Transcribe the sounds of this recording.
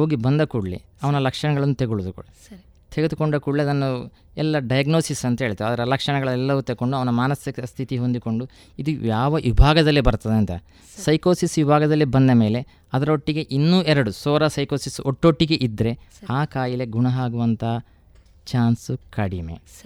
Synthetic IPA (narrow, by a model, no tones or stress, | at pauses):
ɦoːɡibɐnd̪ɐkuːɽɭḭ | ɐʋɐnɐlɐkʂɐɳɐɡɐɭɐnːut̪eɡuɭud̪uk | t̪ʰeɡed̪uko̞ɳɖɐkuɽliɐd̪ɐnːu | ɛlːɐɖɐjɐɡnoːsisɐnt̪ɐɦeːɭt̪ɐɐd̪ɐɾɐlɐkʂɐɳɐɡɐɭɐɛlːɐʋut̪eo̞ɳɖuɐʋɐnɐmaːnɐsiɐst̪ʰit̪iɦo̞nd̪iko̞ɳɖu | id̪ujaːʋɐʋibʱaːɡɐd̪ɐlːibɐɾt̪ɐd̪eɐnt̪ɐ̰ | sɐjkoːsisʋibʱaːɡɐd̪ɐlːibɐnd̪ɐme̞ːle | ɐd̪ɐɾɐoʈːiɡe̞ʔinːuːʔɛɾɐɽusoːɾɐsɐjkoːsisoʈːoʈːiɡe̞ʔid̪ɾe̞aːkaːjile̞ɡuɳɐɦaːɡuʋɐnt̪ʰaː | t͡ʃaːnsukɐɽimḛ